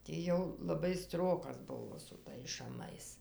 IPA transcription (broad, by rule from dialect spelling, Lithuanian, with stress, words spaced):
ˈtʲɪ jɛʊ lˠɐˈbɐɪ ˈstroːkɐs ˈbʊʋoː sʊ ˈtɐɪs ʃɐˈmɐɪs